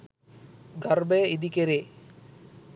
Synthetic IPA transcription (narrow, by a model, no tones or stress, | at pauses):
ɡaɾbeid̪ikeɾe